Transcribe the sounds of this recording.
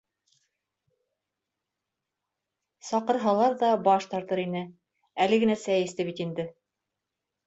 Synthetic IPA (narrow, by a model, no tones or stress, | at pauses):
sɑqɤ̆ɾɦɑlˠɑɾðɑbɑʃt̪ɑɾt̪ɤɾinɘ | ælɘ̆ɡɘ̆næsæjɘ̆st̪ɘβit̪ind̪ɘ